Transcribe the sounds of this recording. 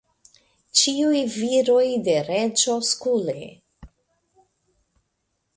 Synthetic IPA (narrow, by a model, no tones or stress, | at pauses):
t͡ʃiujviɾojde̞ɾed͡ʒo̞skule